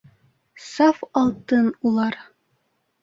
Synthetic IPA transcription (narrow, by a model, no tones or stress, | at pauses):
sɑfɑlˠt̪ɤnulˠɑɾ